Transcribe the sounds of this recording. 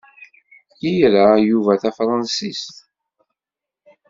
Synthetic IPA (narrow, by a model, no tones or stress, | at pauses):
jijɾəjuvæθæfɾˤɑnsist̪